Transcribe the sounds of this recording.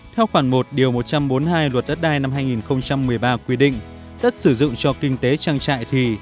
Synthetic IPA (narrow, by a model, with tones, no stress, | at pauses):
t̪ʰɛ˧wxwaː˧˩nmo˨˩t̚ɗi˨˩əwmo˨˩t̚t͡ɕa˧mɓo˨˦nhaː˧jlwə˨˩t̚ɗə˦˥t̚ɗaː˧jna˧mhaː˧jŋi˨˩nxə˧wŋ͡mt͡ɕa˧mːɨ˨˩əjɓaː˧kwi˧ɗḭ̈˧˨ŋ̟ | ɗə˦˥t̚sɨ˧˩zʊ̰˧˨ŋ͡mt͡ɕɔ˧kï˧ŋ̟t̪e˨˦t͡ɕaː˧ŋt͡ɕa̰ː˧˨jt̪ʰi˨˩